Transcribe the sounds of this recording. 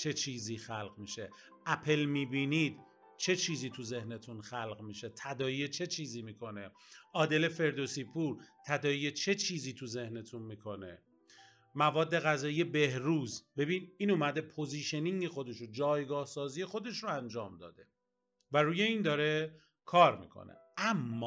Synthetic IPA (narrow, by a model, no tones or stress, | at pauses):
t͡ʃʰe̞t͡ʃʰiːziːxælɣmiːʃe | ʔæpʰe̞lmiːbiːnid̪ | t͡ʃʰe̞t͡ʃʰiːziːt̪ʰuze̞hne̞t̪ʰunxælɢmiːʃe̞t̪ʰæd̪ɒːiet͡ʃʰe̞t͡ʃʰiːziːmiːkʰo̞ne̞ʔɒːd̪e̞le̞fe̞ɾd̪o̞sipʰuːɾt̪ʰæd̪ɒːijet͡ʃʰe̞t͡ʃʰiːziːt̪ʰuze̞hne̞t̪ʰunmiːkʰo̞ne̞̰ | mævɒːd̪ːe̞ɣæzɒːije̞be̞hɾuːzbe̞biːniːnumæd̪e̞pʰo̞ziːʃeniŋɡexo̞d̪e̞ʃod͡ʒɒːjɡɒːhsɒːziːje̞xo̞d̪e̞ʃɾoænd͡ʒɒːmd̪ɒ̰ːd̪e̞ | væɾuːje̞iːnd̪ɒːɾe̞ | kʰɒːɾmḭːkʰo̰nḛ | æmːɒː